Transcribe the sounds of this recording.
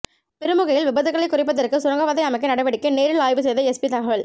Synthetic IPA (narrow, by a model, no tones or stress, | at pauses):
pɛɾɯmɯɣɐjɪlʋɪbɐðɯɣɐɭɐɪkːʊrɪp̬ːɐðɐrkɯsʊɾɐŋɡɐʋɐðɐɪɐmɐɪkːɐnɐɽɐʋɐɽɪkːɯneːɾɪɭaːjʋɯs̬ɛjðɐɛsbit̪ɐɣɐʋɐɭ